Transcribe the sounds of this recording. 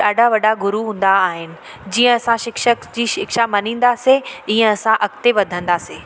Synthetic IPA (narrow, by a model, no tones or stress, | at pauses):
aːɖʱaʋɐɖʱaɡʊɾuɦũːn̆d̪aːɦɪnɪ̆ | d͡ʑĩːə̃ɐsãʃɪkʃəkd͡ʑiːʃɪkʃamɐnĩːn̆d̪aseĩːə̃ɐsãʔɐkt̪eʋɐd̪ʱə̃nd̪aːseː